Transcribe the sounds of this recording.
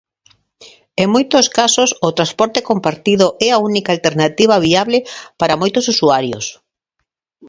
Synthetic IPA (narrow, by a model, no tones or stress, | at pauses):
eŋmojt̪ʊskasosʊt̪ɾaspɔɾt̪ekompaɾt̪iðoʔɛaunikalt̪eɾnat̪iβ̞aβiaβlepaɾamojt̪ʊsusuaɾjo̰s